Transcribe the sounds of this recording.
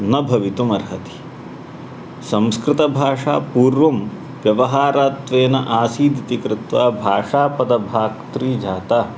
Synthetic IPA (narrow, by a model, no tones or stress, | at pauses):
nɐbʱɐʋit̪umɐɾɦɐt̪i̥ | sɐmskɾɪt̪ɐbʱaːʂaːpuːɾʋɐm | ʋjɐʋɐɦaːɾaːt̪ʋeːnɐʔaːsiːd̪ʱit̪ikɾɪt̪ʋaːbʱaːʂaːpɐd̪ɐbʱaːkt̪ɾiːd͡ʒʱaːt̪aː